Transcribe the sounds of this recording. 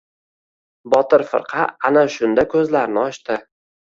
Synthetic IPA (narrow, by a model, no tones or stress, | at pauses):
bɒt̪ɪɾfɨ̰ɾqʰɑanaʃʊnd̪akʰɵzlaɾnɪɒʃt̪ɪ